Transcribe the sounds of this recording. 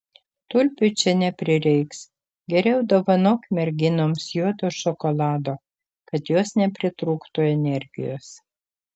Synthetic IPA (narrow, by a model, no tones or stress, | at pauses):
t̪ʊlʲpʲʊt͡ʃʲɛnʲɛpʲɾʲɪɾʲɛɪks | ɡʲɛɾʲɛʊd̪oːʋɐnoːkʲmʲɛɾʲɡʲɪnoːmsjuɔd̪oːʃɔkɔlˠɑːd̪oː | kɐt̪joːsnʲɛpʲɾʲɪt̪ɾuːkt̪uːɛnʲɛɾʲɡʲɪ̰jo̰ːs